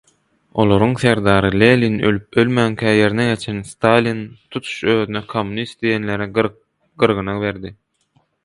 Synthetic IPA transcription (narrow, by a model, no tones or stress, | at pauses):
o̞̰lˠo̞ɾuŋθe̞ɾd̪ɑːɾɯlʲelʲinø̰lyp̚ø̞lmæːŋkʲʰæːje̞ɾineɡe̞t͡ʃʰenst̪ɑlʲint̪ʰut̪ʰu̥ʃøːðynekʰomːunist̪̚d̪ijenle̞ɾi | ɡ̥ɯɾɣɯnɑβe̞ɾd̪i